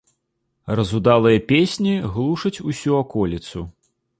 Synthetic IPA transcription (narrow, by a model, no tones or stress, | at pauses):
rɐzud̪alˠɨjɐpʲesʲnʲiɣlˠuʂɐt͡sʲusʲuakɔlʲit̪su